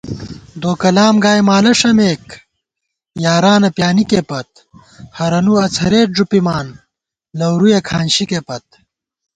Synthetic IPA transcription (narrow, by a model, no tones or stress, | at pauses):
d̪oːkɐlaːmɡaːjmaːlɐʂɐmeːk | jaːɾaːnɐpjaːnikepɐt̪̚ | hɐɾɐnuɐt͡sʰhɐɾeːʈ̚ʐupimaːn | lɐwɾujɐkʰaːnɕikepɐt̪̚